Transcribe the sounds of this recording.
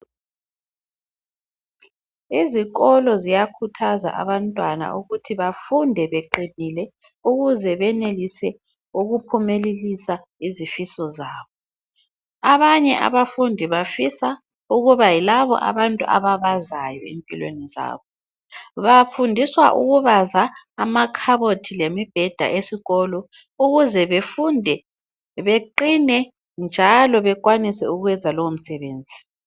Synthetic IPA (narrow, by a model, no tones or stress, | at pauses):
iziɣɔlɔzijakʰutʰaza̰ʔa̰βantʼwana̰ʔuɣutʰiβafundʱɛβeǃinilɛ | uɣuzɛβɛnelisɛ | uɣupʰumelelisa | izifisɔzaːβɔ | aβaɲɛʔa̰βafundʱiβafisa | uɣuβajilaβɔ̰ʔa̰βantʼṵʔa̰βaβazajɔ̰ḛmpʼḭlwḛniza̰ːβɔ | βafundʱiswa̰ʔṵɣuβazaː | makʰaβotʰilemib̥ʱɛd̥ʱa̰ʔesiɣɔlɔ | uɣuzɛβefundʱɛ | βeǃinɛ | nd͡ʒʱalɔβɛk̬ʼwanisɛ̰uɣwɛnd͡zʱalɔwom̩sɛβeːnd͡zʱi